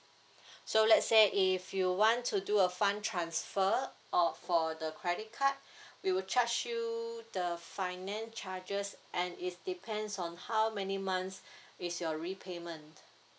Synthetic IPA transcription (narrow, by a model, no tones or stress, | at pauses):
solɛtseʔifjuwɔ̃ntʰuduəfãntʰɹãnsfəʔɔfɔdəkʰɹɛdit̚kʰat̚wiwt͡ʃʰat͡ʃjudəfaɪnɛ̃nst͡ʃad͡ʒəsʔɛ̃nɪt̚dipʰɛ̃ndsɔ̃nhawmɛnimãnsɪsjɔɹipʰemə̃nt